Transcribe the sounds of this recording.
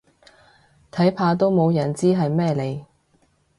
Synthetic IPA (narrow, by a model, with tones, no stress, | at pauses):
t̪ʰɐ˨˥jpʰaː˧t̪o˥wmo˨˧wjɐ˨˩nt͡siː˥ɦɐ˨jmɛː˥le˨˧j